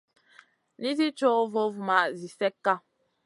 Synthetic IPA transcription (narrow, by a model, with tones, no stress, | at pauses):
ni˦zi˦t͡ʃo˦vo˦vu˨ma˨ʔzi˨sɛ˦kːa˦